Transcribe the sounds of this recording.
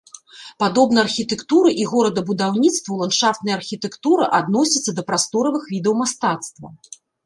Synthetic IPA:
pad̪ɔbnɐjɐrxʲit̪ɛkt̪uɾɨʔiɣɔɾɐd̪ɐbud̪awnʲit̪st̪vɐwlˠanʂaft̪nɐjɐrxʲit̪ɛkt̪uɾɨʔad̪nɔsʲɐt̪sːɐd̪ɐpɾast̪ɔɾɐvɨxvʲid̪ɛwmast̪at̪st̪vɐ̰

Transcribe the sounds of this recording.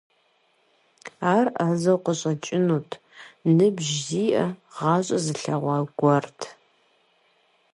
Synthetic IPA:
aːrʔaːzɐwqəɕʼɐt͡ʃʼɪnuːtʰ | nɨbʒziːʔɐʁɑːɕʼɐzɨɬɐʁʷɑːɡʷɔrtʰ

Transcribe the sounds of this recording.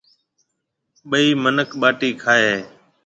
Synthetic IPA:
ɓəiːmənəkʰɓaːʈiːkʰaːeː

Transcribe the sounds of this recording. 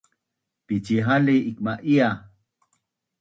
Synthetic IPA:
pit͡ʃiɦaliʔik̚maʔia

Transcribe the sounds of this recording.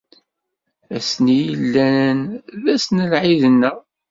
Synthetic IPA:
æsnijəlːænənðæsnəlʕiðənːə

